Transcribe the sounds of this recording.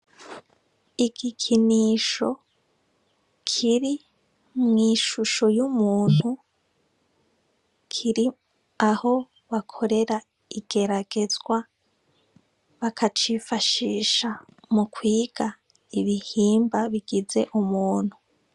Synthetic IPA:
iɡikʰiniːʃo̞ | kʰiɾi | mŋiːʃuʃo̞jumuːn̥hu | kʰiɾi | aho̞ | βakʰo̞ɾe̞ɾa | iɡ̥e̞ɾaɡe̞zɡwa | βakʰat͡ʃifaʃiːʃa | mukwiːɡ̥a | iβihiːmbaβiɡize̞ʔumuːn̥hu

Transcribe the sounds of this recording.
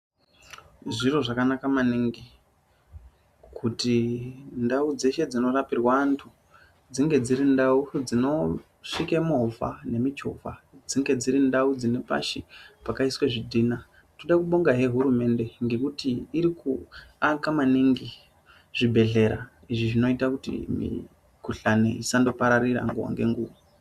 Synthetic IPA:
ʐiro̞ʐakanakamaniŋɡi | kʰutindaud͡ze̞ʃe̞d͡zino̞rapirwaːntʰu | d͡ziŋɡe̞d͡ziɾindaud͡zino̞ | ʂikemoɦva̰ne̞mit͡ʃo̰va̰d͡ziŋɡe̞d͡ziɾindaud͡zine̞pa̰ʃipakaisweʐidʱina | toɗakuɓo̞ŋɡaɦe̞ɦuɾume̞nde̞ŋɡe̞kutiːɾikʰuakamaniŋɡi | ʐ̥ibʱe̞ɮe̞ɾa̰ | iʐiʐino̞itakutḭmḭ | kuɬanḛisando̞paɾarira̰ŋɡuwa̰ŋɡe̞ŋɡuːʋa

